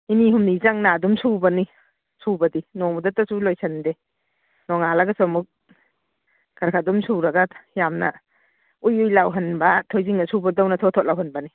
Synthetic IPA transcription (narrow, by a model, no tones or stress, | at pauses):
iniɦumnizaŋnadumsubɐni | subɐdinɔŋmɐdɐtasulojsʰɐnde | nɔŋalaɡɐsɔmuk̚ | ɡ̥aɾkʰadumsuɾɐɡajamnɐ̰ | ujujlawɦɐnbɐtʰɔjziŋnɐsubɐdawnɐtʰɔtʰɔt̚lawɦɐnbɐni